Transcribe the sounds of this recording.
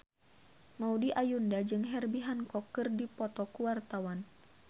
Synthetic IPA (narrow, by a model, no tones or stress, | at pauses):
maudiʔajundad͡ʒɨŋɦɛrbiɦankɔkːɨrdipɔt̪ɔkuwart̪awan